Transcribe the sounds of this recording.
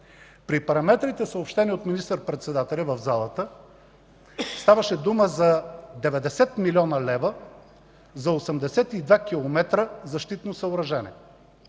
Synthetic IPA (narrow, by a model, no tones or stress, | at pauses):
pɾipɐɾɐmɛt̪ɾit̪ɛsəopʃt̪ɛniot̪minist̪əɾpɾɛt̪sɛd̪at̪ɛlʲɐvəvzalˠət̪ə | st̪avɐʃɛd̪uməzɐd̪ɛvɛd̪ɛsɛt̪milʲɔnəlɛvə | zɐosɛmd̪ɛsɛt̪id̪vakilˠomɛt̪ɾəzɐʃt̪it̪nosɐoɾɐʒɛnɛ̰